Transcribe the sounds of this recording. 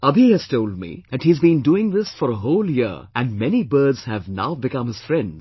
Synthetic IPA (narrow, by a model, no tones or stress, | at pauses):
ʌbʱihæz̥toʊld̚mḭðɨt̚hizbĩnduɪ̃ŋðɪsfɔɾəɦoʊːljiʔæ̃nmɛnibɜːdz̥hævna̰ʊbɨkʌ̃mhɨz̥fɾɛ̃ndz